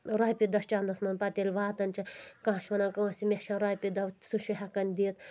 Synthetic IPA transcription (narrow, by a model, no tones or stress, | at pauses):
ɾajpʲid̪ɐst͡ʃaːnd̪ɐsmɐnʲpɐt̪elʲʋaːt̪ɐnʲt͡ʃʰɐkãːʃʋɐnɐkɐɐsimʲeʃɐɾajpid̪ɐʋ̪suʃiɦɐkɐnd̪iːt̪